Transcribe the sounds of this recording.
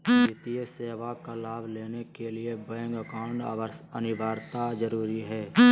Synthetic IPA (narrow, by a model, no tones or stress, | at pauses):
ɪt̪ijəseːʋakalaːbʱleːnekeliebɛ̃ːŋɡəkaːʊ̃ɳʈa̰ːʋəɾsənɪʋaːɾt̪ad͡ʒəɾuːɾiɦɛː